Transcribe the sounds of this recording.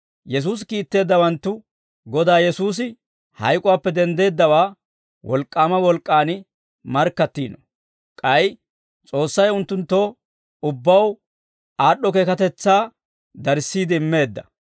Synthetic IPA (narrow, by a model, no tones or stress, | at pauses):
jɛs̬uːs̬kiːt̪ːe̞ːd̪ːɐwɐnt̪ːʊ | ɡɔd̪aːjɛsuːs̬ɪ | hɐ̰jkʼʊwaːpːɛd̪ɛnd̪e̞ːd̪ːɐwaː | wɔ̰lkʼːaːmɐwɔlkʼːaːnɪ | mɐɾkːɐt̪ːiːnɔ | kʼɐj | t͡sʼo̞ːsːɐjʊnt̪ːʊnt̪ːoː | ʊbːɐw | aːɗːɔkeːkɐt̪ɛt͡sːaː | d̪ɐɾsːiːd̪ɪɪmːe̞ːd̪ːɐ